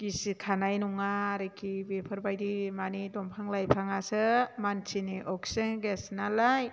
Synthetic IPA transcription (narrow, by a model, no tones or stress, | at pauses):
ɡ̥isikʰanajnuŋaɾekʰibepʰɯɾbajdimanidɔmpʰaŋlajpʰaŋasɯmant͡ʃʰiniʔɔkseŋɡesnalaj